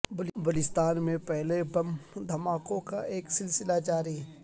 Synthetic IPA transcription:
bʊlbʊlɪst̪aːnmẽpɛɦlebɐmd̪ʱɐmaːkõkaeːksɪlsɪlad͡ʒaːɾi

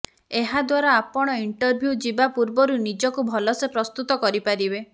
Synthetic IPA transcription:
eɦad̪waɾaːpɔɽ̃ɔiɳʈɔɾbʱjud͡ʒibapuɾbɔɾunid͡ʒɔkubʱɔlɔsepɾɔst̪ut̪ɔkɔɾipaɾibe

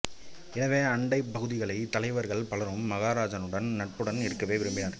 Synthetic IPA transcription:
ɪnɐʋeːɐɳɖɐɪpːɐɣɯðɪɣɐɭɐɪt̪ɐlɐɪʋɐɾɣɐɭpɐɭɐɾɯmːɐɣaːɾaːd͡ʒɐnɯɽɐnnɐʈ̚pɯɽɐnɪɾɯkːɐʋeːʋɪɾɯmbɪnɐɾ

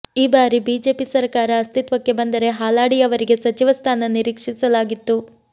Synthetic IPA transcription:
iːbaːɾibiːd͡ʒe̞ːpisɐɾkaːɾɐːst̪it̪ʋɐkːe̞bɐnd̪ɐɾe̞ɦaːlaːɽijɐʋɐɾiɡe̞sɐt͡ʃiʋɐst̪ʰaːnɐniɾiːkʂisɐlaːɡit̪ːu

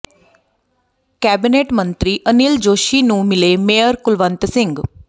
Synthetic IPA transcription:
kæbineʈmənt̪ɾiʔənild͡ʒoʃinũmɪlemejəɾkʊlʋənt̪sɪ̃ŋɡ

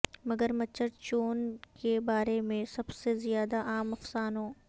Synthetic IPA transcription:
mɐɡəɾmɐt͡ʃʰːəɾt͡ʃoːnkebaːɾemẽsɐbsezijaːd̪aʔaːmɐfsaːnɦõː

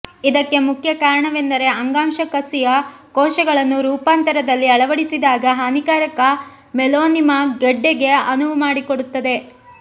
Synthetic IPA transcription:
id̪ɐkːe̞mukʰjɐkaːɾɐɳɐʋend̪ɐɾe̞ɐŋɡaːmʃɐkɐsijɐkɔːʃɐɡɐɭɐnːuɾuːpaːnt̪ɐɾɐd̪ɐlːiɐɭɐʋɐɽisid̪aːɡɐɦaːnikaːɾɐkɐ | mɛloːnimɐɡɐɖːeɡe̞ɐnuʋumaːɽikoɽut̪ːɐd̪e̞

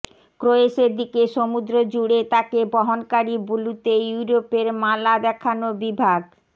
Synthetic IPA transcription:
kɾoeʃeɾd̪ikeʃomud̪ɾod͡ʑuɽet̪akebɔɦonkaɾibulut̪ejuɾopeɾmalab̪ɛkʰanobibʱaɡ

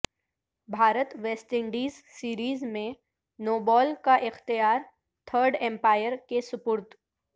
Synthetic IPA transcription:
bʱaːɾət̪ʋeːsʈɪ̃ɳɖiːzsiːɾiːzmẽ | noːbɔːlkaʔɪxt̪ijaːɾ | t̪ʰəːɾɖɛ̃mpaːjəɾkesʊpʊɾt̪

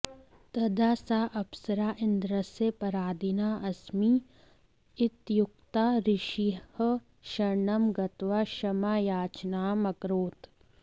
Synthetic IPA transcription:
t̪ɐd̪aːsaːʔɐpsɐɾaːʔɪnd̪ɾəsepɐɾaːd̪ʱinaːʔɐsmi | ɪt̪jʊk̚t̪aːɾɪʃihə | ʃɐɾɳɐmɡɐt̪ʋaːʃɐmaːjaːt͡ʃnaːmɐkɾoːt̪

